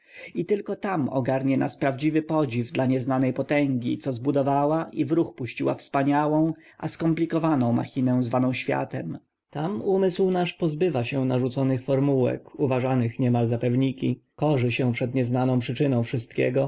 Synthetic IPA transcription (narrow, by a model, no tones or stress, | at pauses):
it̪ɘlkɔt̪amɔ̰ɡaɾɲɛna̰spɾavd͡ʑivɘpɔd͡ʑivd̪laɲɛznanɛjpɔt̪ɛŋɡʲḭt̪sɔzbud̪ɔvawaʔivɾuxpuɕt͡ɕiwa̰fspaɲawɔ̃w̃ | ʔa̰skɔmplʲikɔvanɔ̃w̃ma̰xʲinɛw̃zvanɔ̃w̃ɕfʲja̰t̪ɛ̰m | t̪amumɘswnaʂpɔzbɘvaɕɛnaʐut̪sɔnɘxfɔɾmuwɛ̰kuvaʐanɘxɲɛmalzapɛvɲikʲikɔʐɘɕɛpʂɛd̪ɲɛznanɔ̃w̃pʂɘt͡ʂɘnɔ̃w̃fʂɘst̪̚kʲɛ̰ɡɔ